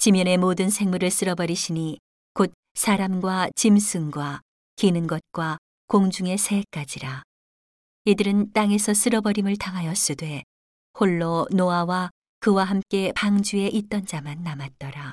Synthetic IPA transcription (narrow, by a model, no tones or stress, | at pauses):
t͡ɕimjʌne̞modɯnsʰe̞ŋmuɾɯɭs͈ɯɾʌbʌɾiɕʰini | kot̚ | sʰaɾamɡwat͡ɕimsʰɯŋɡwa | kinɯnɡʌt̚k͈wa | koŋd͡ʑuŋe̞sʰe̞k͈ad͡ʑiɾa | idɯɾɯnt͈aŋe̞sʰʌs͈ɯɾʌbʌɾimɯɭtaŋɦajʌs͈udwe̞ | hoɭːonoawa | kɯwaɦamk͈e̞paŋd͡ʑue̞ʔit̚t͈ʌnd͡ʑamanːamat̚t͈ʌɾa